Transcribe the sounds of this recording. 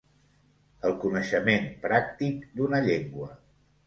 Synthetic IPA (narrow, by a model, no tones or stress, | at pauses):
əlˠkunəʃəmempɾak̚t̪ikd̪unəʎeŋɡwə